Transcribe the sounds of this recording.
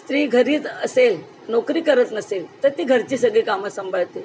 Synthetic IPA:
st̪ɾiːɡʱəɾiːt̪əsel | nɔkɾiːkəɾət̪nəselt̪əɾt̪iːɡʱəɾt͡ɕiːsəɡɭekaməsəmbʱaɭt̪e

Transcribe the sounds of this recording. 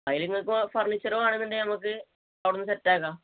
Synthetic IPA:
ɐjiliŋːɐɭkːɨmpɐrɳit͡ɕːɐɾomaːɳenːiɳdenɐmɐkːɨ | ɐʋɽunːɨsɐtːaːɣaː

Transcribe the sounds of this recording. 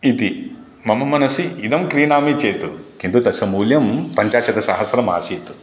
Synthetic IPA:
it̪i | mɐmɐmɐnɐsiid̪ɐmkɾiːnaːmit͡ʃeːt̪ukind̪ut̪ɐsɐmuːljɐmpɐɲt͡ʃaːʃɐd̪ɐsaːɦɐsɐɾɐma̰ːsit̪u̥

